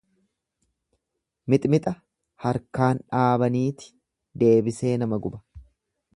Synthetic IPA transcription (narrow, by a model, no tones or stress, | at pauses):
mɪt̪ʼmɪt̪ʼɐ | hɐɾkaːnᶑaːbɐniːt̪ɪ̥ | d̪e̞ːbɪse̞ːnɐmɐɡʊbɐ̥